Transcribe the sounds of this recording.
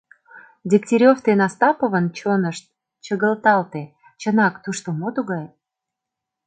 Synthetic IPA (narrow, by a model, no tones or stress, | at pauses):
dʲiktʲiɾʲoft̪enɑst̪ɑpə̆βə̆nt͡ɕonəʃt̪̚ | t͡ɕəɣə̆lt̪ɑlt̪e | t͡ɕə̆nɑkt̪uʃt̪omot̪uɣɑj